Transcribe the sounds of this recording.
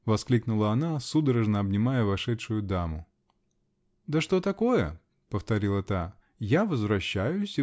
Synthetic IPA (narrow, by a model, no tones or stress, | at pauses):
vɐsklʲiknʊlˠəɐnasud̪əɾəʐnəɐbnʲɪmajəvɐʂɛʂʊjʊd̪amʊ | d̪əʂt̪ot̪ɐko̞jə̰ | pəft̪ɐɾʲilˠət̪a | javəzvɾɐɕːæjʊsʲɪ